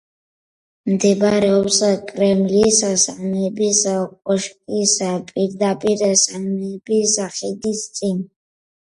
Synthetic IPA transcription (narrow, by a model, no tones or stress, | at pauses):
md̪ɛbɾɛɔpsakʼɾɛmlissnɛbisqʼɔʃkʼispʼiɾd̪apʼiɾsanɛːbisaχɛd̪ist̪sʼin